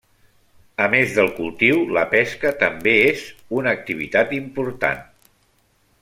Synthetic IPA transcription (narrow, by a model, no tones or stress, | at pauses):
əmezðəlˠkulˠt̪iwləpɛskət̪əmbeezunək̚t̪iβ̞ḭt̪at̪impuɾt̪a̰n